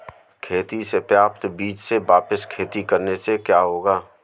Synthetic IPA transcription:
kʰeːt̪isepɾaːp̚t̪biːt͡ʃseʋaːpəskʰeːt̪ikɐɾnesekjaːɦoːɡaː

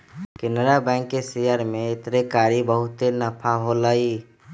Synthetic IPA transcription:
kɪnɾabɛ̃ŋkːesejəɾmeɪt̪ɾekaːɾibəɦʊt̪enəpʰaɦoləi

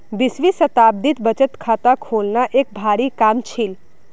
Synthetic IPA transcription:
bɪsʋisət̪ab̚d̪it̪bət͡ʃət̪kʰat̪akʰolnaʔek̚bʱaɾikamt͡ʃʰil

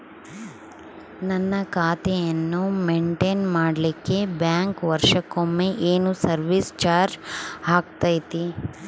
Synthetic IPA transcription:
nɐnːɐkaːt̪ɛjɐnːumeɳʈeːnmaːɽɐlikːe̞bjaːŋkʋɐɾʂɐkomːeʔeːnusɐɾʋiːst͡ʃaːɾaːk̚t̪aːjt̪i

